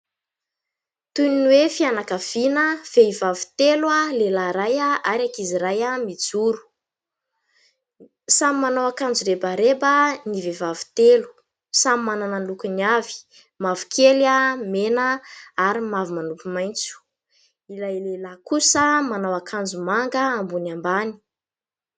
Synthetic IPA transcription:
t̪uninwefianakav̥inəv̥eivavi̥t̪elwalelaɾajaaɾakiziɾajamid͡zuɾu̥ | samimanawakand͡zuɾebaɾebanivevavi̥t̪elu̥ | samimanananlukuniavi̥ | mavu̥kʰelamenəaɾimavumanupimajnt͡su̥ | ilajlelakusəmanawakʰand͡zumaŋɡəambunambani̥

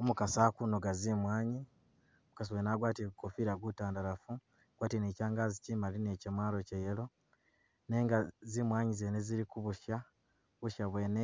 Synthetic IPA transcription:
omukasaːkunoɡazimwaːɲi | omukas̬iweːnaːɡwaːtiɡukofiːɾaɡutaːndalafu | ɡwaːtineːcaːŋɡaːzicimaline̞cemwaːlo̞cejelo̞ | ne̞ːŋɡazimwaːɲizeneziɾikuβuʃa | βuʃaβwe̞ːne

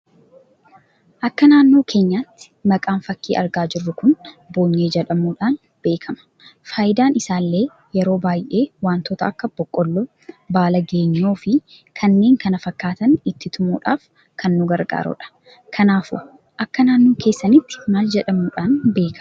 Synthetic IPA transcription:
ʔɐkːɐnaːnːo̞ːkʰe̞ːɲːaːt̪ːɪ̥ | mɐkʼaːnfɐkːḭːʔɐ̰ɾɡaːd͡ʒɪrːʊkʊnbo̞ːɲːe̞ːd͡ʒɛᶑɐmuːᶑaːn | b̥e̞ːkʰɐmɐ̥ | faːjɪd̪aːnɪsaːlːe̞ː | jɛɾo̞ːbaːjʔe̞ːwaːnt̪oːt̪ɐɐkːɐb̥ɔkʼːɔlːɔ | baːlɐɡe̞ːɲːo̞ːfɪ | kʰɐnːe̞ːŋkɐnɐfɐkːaːt̪ɐnɪt̪ːɪt̪ʰʊmṵːᶑa̰ːf | kʰɐnːʊɡɐɾɡa̰ːɾɔ̰ᶑɐ̥ | kʰɐnaːfʊ̰ | ʔɐkːɐnaːnːo̞ːke̞ːsːɐnɪt̪ːɪ̥maːld͡ʒɛᶑɐmuːᶑaːnbe̞ːkʰɐ

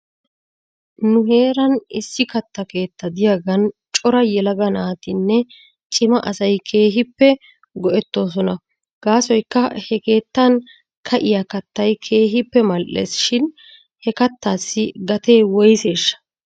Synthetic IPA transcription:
nʊɦe̞ːɾɐnɪsːɪkɐt̪ːɐke̞ːt̪ːɐd̪ɪjaɡɐnt͡ʃʼɔɾɐjɛlɐɡɐnaːt̪ɪnːɛ | t͡ʃʼɪmɐʔɐsɐjkʰe̞ːɦɪpːɛ | ɡɔʔɛt̪ːo̞ːs̬ɔnɐ | ɡ̥aːsɔjkːɐhɛke̞ːt̪ːɐn | kʰɐʔɪjakɐt̪ːɐjkʰe̞ːɦɪpːɛmɐlʔḛsʃɪn | hɛkɐt̪ːaːsːɪɡɐt̪eːwɔjse̞ːʃːɐ̥

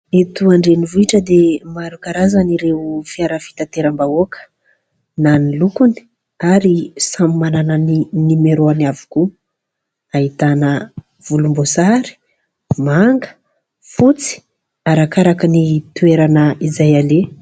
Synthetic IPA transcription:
et̪uaɳɖ͡ʐenivuiʈ͡ʂəd̪emaɾukaɾazaniɾeufiaɾəfi̥t̪at̪eɾəmbaokʰə̥ | nanilukuni̥ | aɾisamimanananinimeɾoanavu̥ku | aɦit̪anə | v̥ulumbosaɾi̥ | maŋɡə̥ | fut͡si̥ | aɾakaɾakənit̪ueɾanəizajale

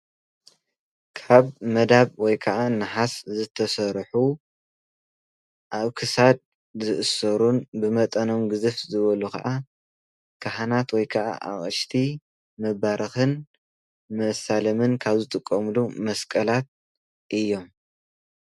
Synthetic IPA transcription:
kʰaβmɐd̪aβwɔjkʰɐʔanɨħaszɨt̪ʰɐsɐɾħu | ʔaβkʰɨsad̪̚ | zɨʔɨsɐɾunbɨmɐt̪ʼɐno̞mɡɨzɨfzɨβɐlukʰa̰ʔa | kʰahanat̪wɔjkʰɐʔa̰ʔa̰χʼɨʃt̪ʰi | mɐβaɾɨxɨn | mɐsalɐmɨnkʰaβzɨt̪ʼɨkʼːɐmlumɐskʼɐlat̪̚ | ʔɨjːo̞m

